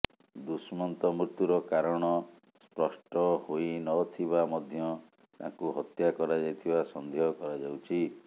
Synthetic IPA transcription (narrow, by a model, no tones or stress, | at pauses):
d̪usmɔnt̪ɔmut̪uɾɔkaɾɔɽ̃ɔ | spɾɔsʈɔhoinɔt̪ʰiβamɔd̪ʱjɔ | t̪ã̰kuɦɔt̪jakɔɾad͡ʒajt̪ʰibasɔnd̪ʱiɔkɔɾad͡ʒawt͡ʃʰi